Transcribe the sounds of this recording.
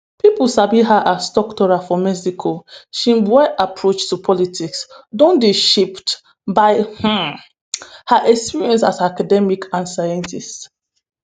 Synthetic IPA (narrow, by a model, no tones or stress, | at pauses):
pipulsabiɦaʔasdɔktɔɹafɔmɛsikʰoʃĩmbaʔapʰɹot͡ʃtupʰɔlitʰiksdõndiʃipt | baɪh̩ | haʔɛkspiɹiɛ̃nsasakadɛmikʰãnsajɛ̃ntist